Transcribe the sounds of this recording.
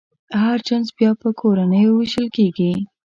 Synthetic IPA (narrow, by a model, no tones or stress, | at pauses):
haɾt͡ʃanzbjɑpəkʰoɾanəjowɪʃəlkeɡi